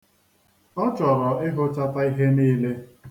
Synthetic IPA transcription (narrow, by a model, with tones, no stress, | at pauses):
ɔ˦t͡ʃɔ˨ɾɔ˨ɪ˦ɦʊ˦ta˦ta˦i˦ɦe˦niː˦le˦